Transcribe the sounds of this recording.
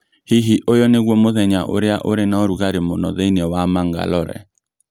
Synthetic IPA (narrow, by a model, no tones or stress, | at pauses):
hiɦiʔojɔneɣwɔmoðɛɲaʔo̰ɾeaʔoɾenaɔɾuɣaɾemonɔ̰ðeineɔwamaŋɡa̰lɔɾɛ̰